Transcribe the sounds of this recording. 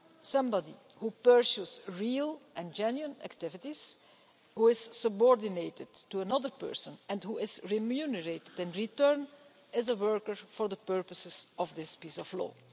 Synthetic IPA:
sʌ̃mbɑdḭ | hupəɹsusɹiːlˠʔɛ̃nd͡ʒɛnjuə̃næ̰ktɪvɪtiz̥ | huːɪzsəbɔɹdɪneɪtɪdtuənʌdəɹpɜ̰ɹsə̃nɛ̃nthuɪzɹimjunəɹeɪtɪdɛ̃nɹitɜɹn | ɪzəwɜɹkəɹfɔɹðəpɜɹpəsɪzɔvd̪ɪspiːsɔflɔ̰ː

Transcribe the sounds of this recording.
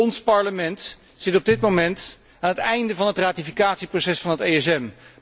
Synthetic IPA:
ɔnspɑɹləmɛnt | sɪtɔb̚dɪt̚mowmɛnt | aːnɦətɛjndəvɑnɦətraːtifikaːtsiprowsɛsfɑnɦətejɛsɛm

